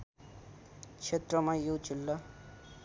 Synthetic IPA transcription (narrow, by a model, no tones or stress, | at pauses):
t͡ʃʰet̪rʌmajot͡ʃilːʌ